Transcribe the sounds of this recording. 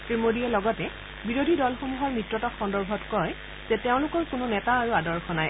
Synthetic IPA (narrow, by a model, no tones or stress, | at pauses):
pɹimodiɛlɔɡɔtɛ | biɹodʱidɔlxomuɦɔɹmɹitɹɔtɔxɔndɔɹbʱɔtkɔj | z̥ɛteʊ̃lʊkɔɹkʊnʊnɛtaːɹuadɔɹxʰɔnaj